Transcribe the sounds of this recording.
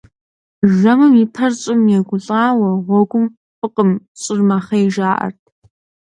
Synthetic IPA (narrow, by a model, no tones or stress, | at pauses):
ʒɐmɨmjipʰɐrɕʼɪmjɛɡʷʊɬʼaːwɐʁʷɔɡʷʊm | fʼɨqʼəmɕʼɪrmaχɐjʒaːʔɐ̰rtʰ